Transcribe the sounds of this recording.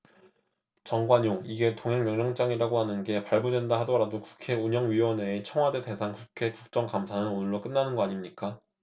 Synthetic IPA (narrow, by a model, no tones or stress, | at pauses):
t͡ɕʌŋɡwaɲoŋiɡe̞toŋɦe̞ŋmjʌŋɲʌŋt͡ɕ͈aŋiɾaɡohanɯnɡe̞paɭbudwendaɦadʌɾadoku̥kʰe̞uɲʌŋɥiwʌne̞ːt͡ɕʰʌŋwade̞de̞sʰaŋkukʰe̞kuk̚t͡ɕ͈ʌŋkamsʰanɯnonɯɭːʌk͈ɯnːanɯnɡʌaɲimɲik͈a